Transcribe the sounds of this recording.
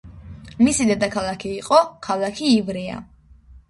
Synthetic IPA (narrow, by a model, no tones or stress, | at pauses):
misid̪ɛd̪akʰalˠakʰiːqʼɔkʰalˠakʰiːvɾia̰